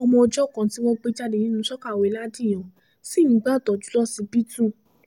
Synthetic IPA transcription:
ɔ˧mɔ̃˧o˧d͡ʒɔ˦˨kã˨ti˨˦w̃ɔ̃˧k͡pe˧˦d͡ʒa˧de˨nĩ˦nũ˧˦sɔ˦ka˦˨we˨˦la˦dĩ˦˨j̃ɔ̃˨ | si˦˨nĩ˨˦ɡ͡ba˦˨tɔ˨d͡ʒu̥˦lɔ˦si˧bi˦tu˦˨

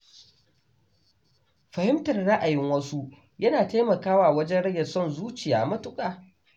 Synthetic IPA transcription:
ɸɐ˨hɪ˦mtɐ˨rɽa˦ʔa˨jɪ˦ŋwɐ˦su˦ | jɐ˦naː˨teː˦mɐ˨kaː˦waː˨wɐ˦d͡ʒɛ˦nɽɐ˦ɡɐ˨sɔ˦˨nzuː˦t͡ʃɪ˨ja̰ː˨mɐ˦tʊ˦kʼaː˨

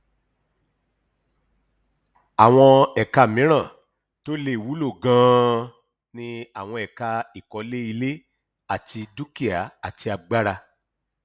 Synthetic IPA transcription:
a˨w̃ɔ̃˧ɛ˨ka˧˨mĩ˨˦ɾ̃ã˦˨ | to˦le˧˨i˨wu˨˦lo˦˨ɡã˦ | nĩ˧a˨w̃ɔ̃˧ɛ˨ka˧i˨kɔ˨˧˦le˦i˧le˦ | a˦˨ti˧du˦ki˦a˨˦a˨ti˧a˧ɡ͡ba˦ɾa˧

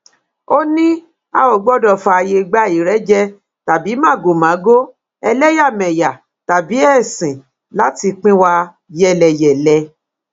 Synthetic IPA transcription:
o˦nĩ˦ | a˧o˨ɡ͡bɔ˦˨dɔ˦˨fa˧je˧ɡ͡ba˦i˨ɾɛ˨˦d͡ʒɛ˦ | ta˨bi˨˦mã˦˨ɡo˨mã˨˦ɡo˦ | ɛ˧lɛ˦ja˦˨mɛ̃˨ja˨ | ta˨bi˨˦ɛ˦˨sĩ˨ | la˨˦ti˧k͡pĩ˦wa˧ | jɛ˦˨lɛ˧jɛ˨lɛ˧˦

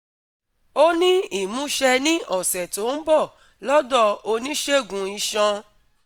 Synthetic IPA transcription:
o˦nĩ˦i˦˨mũ˨˦ʃɛ˧nĩ˦ʔɔ˦˨sɛ˨to˨˦n̩˦bɔ˦˨ | lɔ˦dɔ˦˧o˧nĩ˦ʃe˦˨ɡũ˨˧i˧ʃã˧

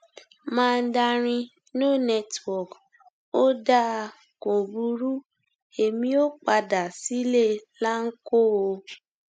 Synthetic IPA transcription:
mãː˦˧n̩˦da˧ɾ̃ĩ˧ | nũ˦˨nɛ˦twɔ˨k | o˦da˦˧ | ko˨bu˧˦ɾu˦ | e˨mĩ˧˦o˦k͡pa˧da˨si˨˦le˦la˦ŋ̩˦ko˦o˧

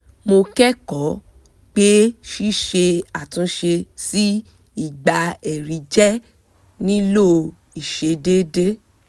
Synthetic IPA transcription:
mo˧kɛ˦kɔ˨˦ | k͡pe˦ʃi˦ʃe˧a˨tũ˨˦ʃe˧si˦ | i˦˨ɡ͡ba˧ɛ˨ɾi˨˦d͡ʒɛ˦ | nĩ˦lo˦ | i˨ʃe˧de˦de˦

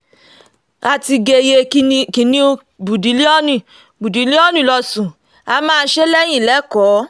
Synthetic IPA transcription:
a˧ti˧ɡe˧je˧˦˧ki˨˦nĩ˦o˧ | bu˨di˨˦li˦ɔ˦nĩ˦˨ | bu˨di˨˦li˦ɔ˦nĩ˦˨lɔ˧sũ˨ | a˧mãː˦˧˦ʃe˦lɛ˦j̃ĩ˦˨lɛ˨˦kɔ˨˦

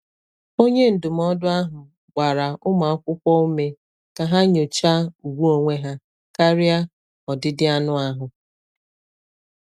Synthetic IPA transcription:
o˦ɲe˦n̩˨dʊ˨m̩˦ɔ˦dʊ˦a˦ɦʊ˨ | ɡ͡ba˨ɾa˨ʊ˦ma˨ɔ˦kʷʊ˦kʷɔ˦u˦me˦ | ka˨ɦa˦ɲo˨t͡ʃa˦u˨ɡʷu˦o˨ŋʷe˦ɦa˦ | ka˦ɾɪ˦a˦ | ɔ˨dɪ˦dɪ˦a˦nʊ˦a˦ɦʊ˨

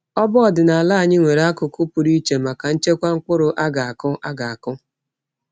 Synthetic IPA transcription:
ɔ˦bɔ˦ɔ˨dɪ˨na˨la˦a˨ɲɪ˦ŋʷe˨ɾa˦kʊ˨kʊ˦pʊ˨ɾi˦t͡ʃe˨ma˨ka˨n̩˦t͡ʃe˦kʷa˦ŋ̩˦k͡pʊ˦ɾʊ˨ʔa˦ɡa˨a˨kʊ˦ʔa˦ɡa˨a˨kʊ˦

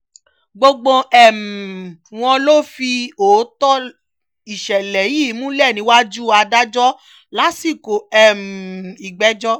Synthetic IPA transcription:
ɡ͡bo˧ɡ͡bõ˧ɛ˦˨m̩˨w̃ɔ̃˧lo˦fi˧oː˨˦tɔ˦ | i˨ʃɛ˨lɛ˨ji˦˨˦mũ˦lɛ˦˨nĩ˧˦wa˦d͡ʒu˦a˧da˦d͡ʒɔ˦ | la˨˦si˦˨ko˨ɛ˦˨m̩˨i˨ɡ͡bɛ˨˦d͡ʒɔ˦

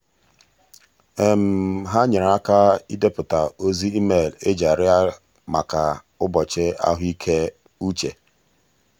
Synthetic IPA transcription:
e˨m̩˨ɦa˦ɲɪ˨ɾa˦ka˦i˦de˦pʊ˨ta˨o˦zi˦i˦me˦˨le˦d͡ʒa˨ɾɪ˦a˦ | ma̰˨ka˨ | ʊ˦bɔ˨t͡ʃɪ˦a̰˦ɦʊ˦i˦kʰe˦ | u˦t͡ʃḛ˨

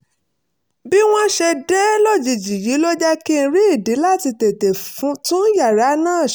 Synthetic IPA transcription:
bi˦w̃ɔ̃˦ʃɛ˧dɛ˦lɔ˦˨d͡ʒi˨d͡ʒi˨ji˨˦lo˦d͡ʒɛ˦kĩ˦˧ɾi˦i˦˨di˨˦la˦˨ti˧te˨te˨fũ˨˦tũ˦ja˦˨ɾa˨˦nãː˦˨ʃ

